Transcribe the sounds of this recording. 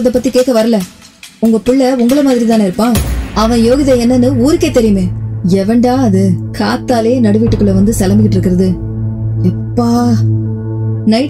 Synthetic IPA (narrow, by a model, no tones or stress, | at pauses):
ɐðɐpːɐt̪ːikeːkːɐʋɐɾɐlɐ | ʊŋɡɐpʊɭːɐʊŋɡɐɭɐmaːðɪɾit̪aːnɪɾɯpːãːɐʋɐ̃joːɣɪðɐɛnːɐnːɯuːɾɯkːeːt̪ːɛɾɪjɯmẽːɛʋɐɳɖaːɐðɯkaːt̪ːaːleːnɐɽɯʋɪʈːɯkːɯɭːɐʋɐnd̪ɯsɐlɐmbɪk̬ːɪʈːɪɾɯkːɪɾɐðɯ | ɪpːaː | nɐɪ